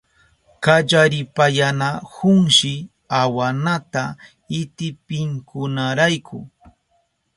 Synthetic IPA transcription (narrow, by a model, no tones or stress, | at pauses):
kaʎaɾɪpajanahʊŋʃɪ | awanat̪a | ɪt̪ɪpɪŋkʊnaɾajkʰʊ̰